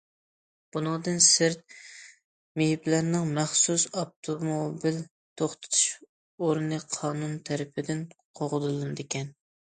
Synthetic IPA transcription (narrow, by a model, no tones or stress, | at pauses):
b̥unɨŋd̪ɨnsɪɾt̪̚ | mehiplæɾnɪŋmæχsusɑp̚t̪ʰomobil | t̪ʰoχt̪ʰɨ̥t̪ʰu̥ʃ | oɾnɨqʰɑːnunt̪ʰæɾɪpʰɪd̪ɪnqʰoʁəlɨlˠɨnɨd̪ɪkʲʰɛn